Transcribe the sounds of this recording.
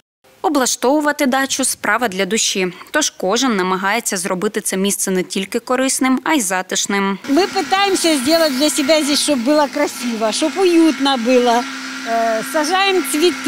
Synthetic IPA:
ɔblˠɐʃt̪ɔʋʊʋɐt̪ɪd̪ɑt͡ʃʊspɾʔɑʋɐd̪lʲɐd̪ʊʃʲːit̪ɔʒkɔʒɪnːɐmɐɦɑjet͡sʲːɐzɾɔbɪt̪ɪt̪sɛmʲist̪sɛnɛtʲilʲkɪkɔɾɪsnɪmɐjzɑt̪ɪʃnɪmmɪpɪt̪ɑjemsʲɐzʲdʲelˠɐt̚ʲd̪lʲɐsʲɪb̪ɛzʲiʃt͡ʃɔbːɨlˠɐkɾɐsʲiʋɐʃɔpʊjut̪nɐbɪlˠɐ | sɐʒɑjemt͡sʲʋʲit̪

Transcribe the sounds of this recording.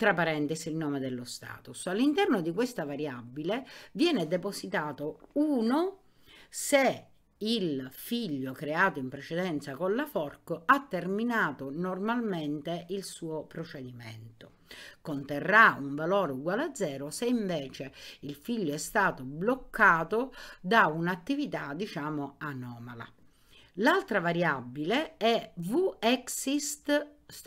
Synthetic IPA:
t̪ɾapaɾɛnt̪isilnoːmed̪elːost̪a̰ːt̪usalːint̪ɛrnod̪ikwest̪avaɾjabːilevjɛːned̪eposit̪aːt̪ouːno | se | ilfiʎːokɾeaːt̪oimpɾet͡ʃed̪ɛnt̪sakonlafɔrkoat̪ːerminaːt̪onormalment̪eʔilsuːopɾot͡ʃed̪iment̪o | kont̪erːauɱvalɔːɾuɡwalad̪zːɛːɾʊseiɱvɛːt͡ʃeilfiʎːoɛst̪aːt̪oblokːaːt̪od̪aunat̪ːivit̪ad̪it͡ʃaːmoanɔːmala̰ | lalt̪ɾavaɾjabːileɛvuɛksist̪

